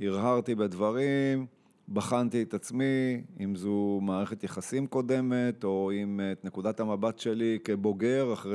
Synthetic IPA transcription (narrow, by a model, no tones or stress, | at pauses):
iʁɦaʁt̪ibedvaʁim | baχant̪iet̪at͡smiimzumaːʁeχet̪jeχasimko̞de̞me̞t̪o̞imet̪ne̞kud̪athamabatʃe̞like̞bo̞ɡe̞ʁaχʁe